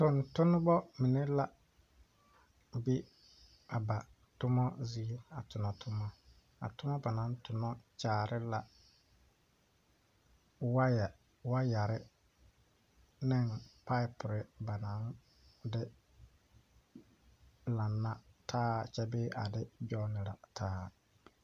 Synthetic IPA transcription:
tʊ˨ntʊ˦nɪ˦bɔ˦mɪ˨ne˦la˦ | bi˦ | a˨ba˨ | tʊ˦mɔ˦ziː˦a̰˨tʊ˨nɔ˨tʰʊ˦mɔ˦ | a̰˨tʊ˦mɔ˦ba˨nã˨˦n˦tʊ˨nɔ˦t͡ʃaː˨ɾʔɪ˦la˨ | wa˦ja˨ | wa˦ja˨ɾɪ˦ | nɛ˦˨npa˦ɪ˦pʊ˨ɾɪ˦ba˨nã˨˦n | dɪ˦ | la˨nːa˦tʰaː˦t͡ʃɛ˦bɪː˦ʔa˨dɪ˦d͡ʒɔ˦nɪ˨la̰˨tʰaː˦

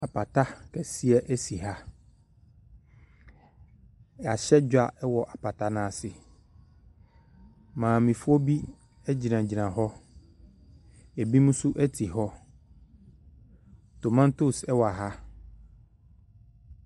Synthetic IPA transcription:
a˨pʰa˨tʰa˦kʰɛ˨si˦ɛ˦ʔæ˦si˨ɦa˦˨ | a˨ɕɛ˦d͡ʑᶣa˨ʔɛ˦wɔ˨ʔa˨pa˨tʰa˦˨nãː˦˨sɪ˨ | mãː˨mĩ˨fu˦ɔ˦bi˦ | ɛ˦d͡ʑi˨nã˨d͡ʑi˨nã˨ɦɔ˦ | ɛ˨bi˦mũ˦sʊ˦ʔæ˦tʰi˨ɦɔ˦ | to˨mã˦n˦tʊ˦sɛ˦wɔ˨a˨ɦa˦

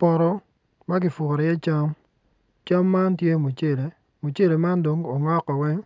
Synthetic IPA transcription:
pɔ˨ɾɔ˦ | ma˦ɡɪ˨fʊ˨ɾɔ˨jɛ˦t͡ʃa˦m | t͡ʃa˦mːa˦ntje˦mu˨t͡ʃe˦le˨ | mu˨t͡ʃe˦le˨ma˦ndo˨ŋo˨ŋɔ˦kːɔ˨wɛ˦ŋ

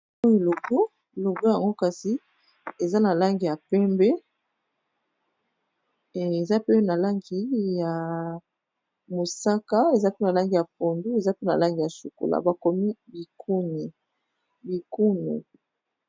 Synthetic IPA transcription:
o˦ji˨lo˨ɡo˦˨ | lo˨ɡo˦ja˨ŋɡo˦ka˨si˨ | e˨za˦na˨la˦ŋɡi˨ja˨pɛ˦mbɛ˦ | e˨e˨za˦pe˦na˨la˦ŋɡi˨ja˨ | mo˨sa˦ka˦e˨za˦pe˦na˨la˦ŋɡi˨ja˨p̚o˨ndu˦e˨za˦pe˦na˨la˦ŋɡi˨ja˨su˨ko̰˨la̰˨ba˨ko˨mi˦bi˨kʰu˦ni˨ | bi˨ku˦nḭ˨

